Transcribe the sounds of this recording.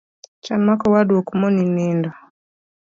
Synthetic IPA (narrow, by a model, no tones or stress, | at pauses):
t͡ʃanmakɔwaduɔkumɔninindɔ